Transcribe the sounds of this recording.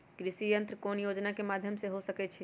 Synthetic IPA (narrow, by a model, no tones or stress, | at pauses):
kɾisijənt̪ɾəkonjod͡ʒnakemad̪ʱjəmseɦosəkɛt͡ʃʰɛ